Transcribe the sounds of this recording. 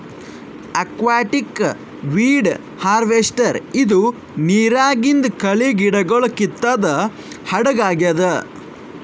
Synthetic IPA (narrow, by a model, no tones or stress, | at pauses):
ɐkʋaːʈik | ʋiːɖ | haːɾʋesʈɐɾid̪u | niːɾaːɡind̪ɐkɐɭiɡiɽɐɡɐɭɐkit̪ːaːd̪ɐ | hɐɽɐɡaːɡɐd̪ɐ